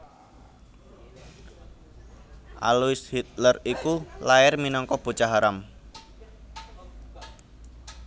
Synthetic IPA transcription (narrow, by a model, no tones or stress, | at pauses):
ʔa̰luɪshit̪̚lərikulaɪrminɔŋkɔb̥o̤t͡ʃaɦaɾam